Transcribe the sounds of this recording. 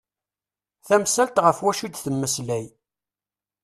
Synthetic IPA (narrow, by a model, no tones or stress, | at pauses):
θæmsælt̪ʁəfwæʃid̪θəmːəslæj